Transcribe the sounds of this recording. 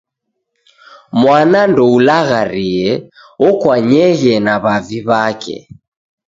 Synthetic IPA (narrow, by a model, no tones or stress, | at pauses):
mwanandɔulaɣaɾiɛ | ɔkwaɲɛɣɛnaβaviβakɛ̰